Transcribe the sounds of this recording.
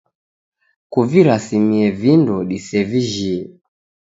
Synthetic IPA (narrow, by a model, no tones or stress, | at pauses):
kuviɾasimiɛvindɔɗisɛviʒiɛ